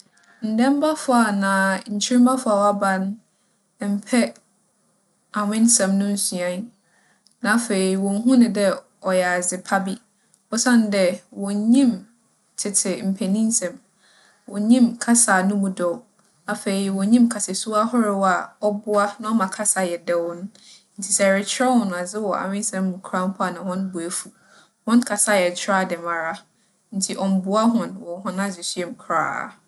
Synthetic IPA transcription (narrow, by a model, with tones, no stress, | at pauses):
n̩˨dɛ̃˦m˦ba˦fʊ˨a˨nã˨ɲ̩˨t͡ɕʰi˦ĩ˦mba˦fʊ˦a˨wɔ˨˦a˦bã˨n˦˨ | m̩˨pʰɛ˦ | a˨wɪ̃˦n˦sɛ̃˨mnʊ̃˦n̩˦su˨ã˨n˦ | nã˨fe˨ɾi˨wɔ̃˨n̩˦ɦũ˦nɪ̃˨dɛ˦ | ɔ˨jɛ˨a˨zɪ˨pʰa˦bi˦ | ɔ˦sã˦˨n˦dɛ˨wɔ̃˨ɲĩ˦˨m | tʰɪ˨tʰɪ˨m̩˨pʰɛ˨nĩ˦n˦sɛ̃˨m | wɔ˨ɲĩ˦mkʰa˦saː˨nʊ̃˦mũ˨dɔ˨w | a˨fe˨ɾi˨wɔ̃˨ɲĩ˦mkʰa˨sɛ˨su˦a˦hɔ˦ɾɪ˦wa˨ɔ˦bʊ˦a˦nã˦ɔ˦mã˨kʰa˦sa˨jɛ˨dɛ˦wnʊ̃˦ | n̩˦tʰi˨sɛ˨ɾɪ˨˦t͡ɕʰɪ˦ɛ˦hʊ̃˨nʊ̃˨a˨d͡zɪ˦wɔ˨a̰˨mɪ̃˦n˦sɛ̃˦mː˦ũ˨kʰɾa˦m̩˦pʰʊ˦a˨nã˨hɔ̃˦nbʊ˨æ˨fu˨ | hɔ̃˦nkʰa˨sa˦˨jɛ˨t͡ɕʰɾa˦˨dɛ˨mã˨ɾa˦ | n̩˦tʰi˨ʔɔ̃˨m˨bʊ˦a˦ɦʊ̃˨nwɔ˨˦hʊ̃˦nã˦d͡ʑɪ˨sɥɛ˨m˨kʰɾa̰ː˦˨